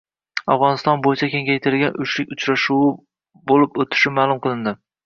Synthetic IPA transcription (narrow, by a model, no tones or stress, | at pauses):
awʁɒnɪst̪ɒnbojɪt͡ʃʰakʲe̞ŋʲajt̪ʰɪɾɡʲanʔʊʃlɪkʲʊt͡ʃɾaʃuw | bolɪpot̪ʰɪ̥ʃɪmaːlˠʊmqʰɨlˠɪnd̪ɪ